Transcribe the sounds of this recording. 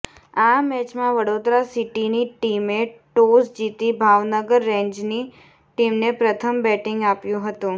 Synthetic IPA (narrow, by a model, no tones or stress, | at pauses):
amɛt͡ʃmãʋəɽod̪ɾasiʈiniʈimeʈosd͡ʒit̪ibʱaʋnəɡəɾːẽɲd͡ʒni | ʈimnepɾət̪ʰəmbɛʈɪ̃ŋɡapjũɦət̪ũ